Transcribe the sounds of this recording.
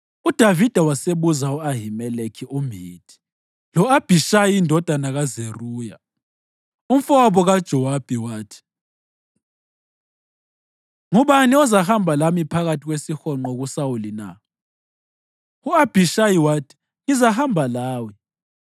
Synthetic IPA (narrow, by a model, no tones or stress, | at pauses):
ud̥ʱavid̥ʱawaseβuzauaɦimɛlekʰiumiːtʰi̥ | lɔab̥ʱiʃajiːndʱɔd̥ʱanaɣazeruːja | um̩fɔaβɔɣad̥ʒ̥ʱɔwab̥ʱiwaːtʰi̥ | ŋuβaniɔzahambʱalamipʰaɣatʰiɣwesixɔŋ͡ǃoɣusawulina̰ | uab̥ʱiʃajiwaːtʰi̥ | ŋizahambʱalaːwi